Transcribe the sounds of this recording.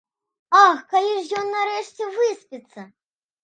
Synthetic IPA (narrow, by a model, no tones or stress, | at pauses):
axkalʲiʐjɔnːaɾɛʂt͡sʲɛvɨspʲit̪sːɐ